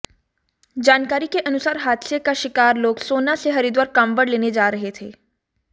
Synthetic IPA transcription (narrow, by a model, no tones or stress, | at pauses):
d͡ʒaːnkaːɾikeʔɐnʊsaːɾɦaːd̪sekaʃɪkaːɾloːɡsoːnaseɦɐɾid̪waːɾkɐmbəɽleːned͡ʒaːɾɐɦet̪ʰeː